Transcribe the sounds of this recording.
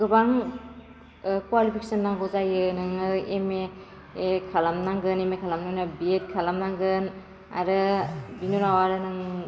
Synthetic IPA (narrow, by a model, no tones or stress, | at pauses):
ɡɯbaŋ | kwalipʰike̥sɯnːaŋɡɔzajɯnɯŋɯemeː | kʰalamnaŋɡɯnemekʰalamnaŋnɯbiet̚kʰalamnaŋɡɯn | a̰ɾɯbinuɾawaɾɯnɯŋ